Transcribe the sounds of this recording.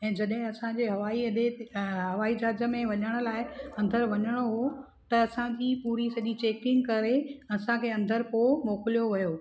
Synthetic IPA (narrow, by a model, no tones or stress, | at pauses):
ɛ̃ːd͡ʑɐɗɦɪ̃ɐsãd͡ʑeːɦɐʋaːiɐɗ̪eɦɐʋaːid͡ʑaːzə̆mẽʋɐɲəɽ̃ʊ̆laːɪɐ̃nd̪əɾʋɐɲəɽ̃oɦo | t̪ɐːsãd͡ʑiːpuːɾisɐʄit͡ɕeːkɪ̃ŋɡkɐɾeɐsãkʰeːɐ̃nd̪əɾpomoːkɪlijoʋɐjoː